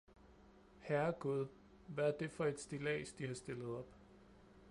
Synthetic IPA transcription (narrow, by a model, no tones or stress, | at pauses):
hæɐɡ̥uð̞ˠ | ʋææɐd̥e̝fɒ̽e̝d̥sd̥ilɛ̰ːsd̥ihɑ̈sd̥e̝ləð̞̩ˠɒ̽b̥